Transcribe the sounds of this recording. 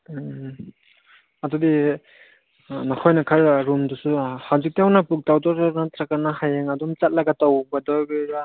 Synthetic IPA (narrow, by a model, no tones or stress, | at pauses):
adudi | nakʰɔjnakʰaɾɾumdusuhawzik̚tiawnapuk̚tawtɔɾnat̪ʰɾakːanaɦajeŋadumt͡ʃat̚laɡatawbadɔbiɾa